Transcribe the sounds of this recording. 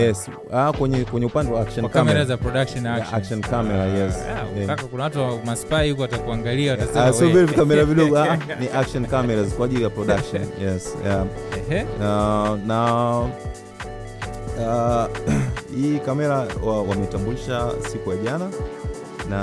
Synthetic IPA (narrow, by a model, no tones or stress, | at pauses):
jɛs | akwɛɲɛkwɛɲɛupandɛwaakʃɔnkamɛɾazapɾɔɗakʃɔnaakʃɔnkamɛɾajɛsɛaakunawatuamaspaihukuwatakuaŋɡaliaataasɔvɛɾivikamɛɾaviɗɔɡɔaʔniʔakʃɔnkamɛɾazkwaʄilijapɾɔɗakʃɔnjɛsja | ana | a | hiːkamɛɾawawamɛitambuliʃasikujaʄana | na